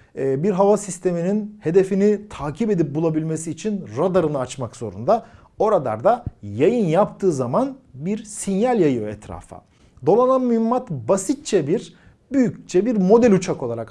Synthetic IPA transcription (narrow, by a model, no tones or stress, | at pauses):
biɾɦavasist̪ʰe̞mininhe̞d̪e̞finit̪ʰaːcʰibe̞d̪ip̚bulˠabilʲmesiːt͡ʃʰinɾad̪aɾɯnɯat͡ʃmakzo̞̰ɾṵnd̪a | o̞ɾad̪a̰ɾd̪ajajɯnjapt̪ʰɯːzamanbiɾsinjalʲjajɯjoɛt̪ɾa̰fa̰ | d̪o̞lˠananmyymːat̪basit̪̚t͡ʃʰɛbiɾ | byjyct͡ʃʰɛbiɾmo̞d̪ɛlʲut͡ʃʰako̞lˠaɾak